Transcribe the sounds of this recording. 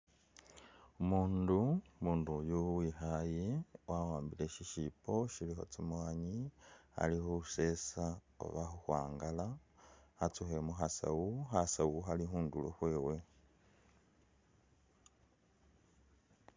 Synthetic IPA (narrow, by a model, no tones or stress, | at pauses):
umuːndumuːndujuwixajiwʔawaːmbileʃiʃipo̞ʃilixo̞̰t͡simwaːɲia̰lixuuse̞sa | o̰βaxuxwa̰ːŋɡala | at͡suxe̞muxasa̰wuxasawuxalixuːndulo̰xwe̞ːwe̞